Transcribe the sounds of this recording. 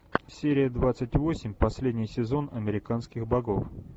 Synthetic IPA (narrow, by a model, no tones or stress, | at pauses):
sʲeɾʲɪjəd̪vat̪sɨtʲvo̞sʲɪmʲpɐsʲlʲedʲnʲɪjsʲɪzo̞nɐmʲɪɾʲɪkanskʲɪxbɐɡo̞f